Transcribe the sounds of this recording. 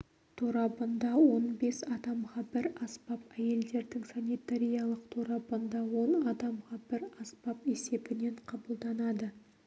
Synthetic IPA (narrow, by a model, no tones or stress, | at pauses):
t̪ʰoɾɑpənd̪ɑwo̞nbe̞sɑd̪ɑmʁɑbɪɾɑspɑpæje̞ld̪e̞ɾd̪ɪŋsanijt̪aɾʲijɑlˠəqt̪ʰoɾɑpənd̪ɑwo̞nɑd̪ɑmʁɑbɪɾɑspɑpe̞se̞bɪne̞ɴqʰɑbəlˠd̪ɑnɑd̪ə